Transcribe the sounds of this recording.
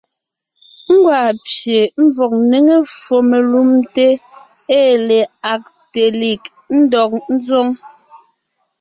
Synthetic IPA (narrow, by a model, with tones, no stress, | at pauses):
ŋ̩˦ɡwa˨pje˨m̩˦vɔ˨k̚ne˦ŋe˦fo˨me˨lu˦mte˦ | eː˦˨le˨a˨k̚ | te˨li˨k | n̩˦dɔ˨k̚n̩˦zo˦ŋ